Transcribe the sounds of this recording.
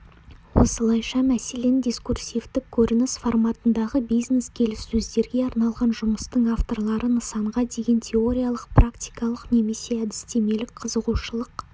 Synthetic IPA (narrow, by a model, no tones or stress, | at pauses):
wo̞̰səlˠɑjʃɑmæse̞le̞nd̪ʲiskursʲivt̪ɪkʲʰːɵɾɪnɪsformat̪ənd̪ɑʁəbijzne̞skʲʰe̞lɪsːɵzd̪e̞ɾɡʲe̞ɑɾnɑlˠʁɑnʒʊməst̪əɴaft̪o̞rlˠɑɾənəsɑɴʁɑd̪e̞ɡʲe̞nt̪ʲʰe̞o̞ɾʲijalˠəq̚prakt̪ʲi̥jkɑlˠəqne̞me̞se̞æd̪ɪst̪e̞me̞lɪk̚qʰəzəʁuʃəlˠəq